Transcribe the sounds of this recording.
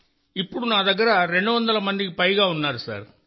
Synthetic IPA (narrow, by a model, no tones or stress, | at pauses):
ɪpːɔɽɯnãːt̪ɐkːɐɾaɾɛɳɖɯʋɐnd̪ɐlɐmɐnd̪ɪkːɯpɐjɣaːʊnːaːɾɯsa̰ːɾ